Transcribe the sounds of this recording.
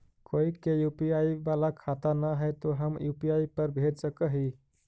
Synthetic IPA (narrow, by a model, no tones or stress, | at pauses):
koikejupiaibalakʰat̪anaɦət̪oɦəmjupiaipəɾbʱeʈsəkəɦi